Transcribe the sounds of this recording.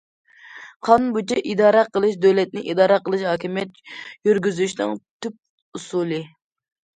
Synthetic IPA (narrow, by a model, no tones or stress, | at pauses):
qʰɑnbut͡ʃʰɛʔid̪ɑːɾɑqəlˠɨʃd̪øwlɛt̪̚nɪʔid̪ɑːɾɑqəlˠɨʃhɑːkʲʰimjɛt̪jyɾɡʲyzyʃnɨŋt̪ʰyp̚ | usulˠɨ